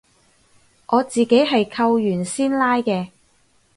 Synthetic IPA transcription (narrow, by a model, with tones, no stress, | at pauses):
ʔɔː˨˧t͡siː˨˩ke˨˥jɦɐ˨jkʰɐ˧wjyː˨˩nsiː˥nlaː˥jkɛː˧